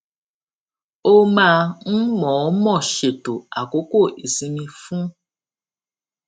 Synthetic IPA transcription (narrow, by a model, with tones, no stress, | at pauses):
o˦mã˦n̩˦mɔ̃˨˦mɔ̃˦˨ʃe˨to˨a˨ko˨˦ko˦˨ʔi˨si˧mĩ˧fũ˦